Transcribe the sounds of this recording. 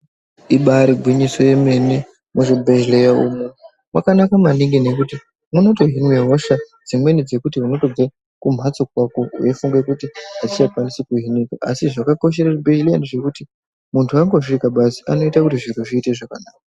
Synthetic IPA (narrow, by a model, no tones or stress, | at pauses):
iɓaɾiɡʱwiɲiso̞je̞me̞ne | muʐibʱeʒlejaumunu | wakanakamaniŋɡine̞kuti | muno̞to̞ɦinweɦo̞ʃa | d͡zimwe̞nid͡ze̞kutiɦuno̞to̞b͡ve | kum̤ʱat͡sokwako̞ṵefuŋɡekutiɦat͡ʃit͡ʃakwanisikuɦinikaʔasiʐakako̞ʃ̬e̞ɾaribeilaneʐe̞kuti | muntʰuaŋɡo̞ʐiikaɓasi̥ano̞itakutiʐir̤uʐiːte̞ʐakanaːka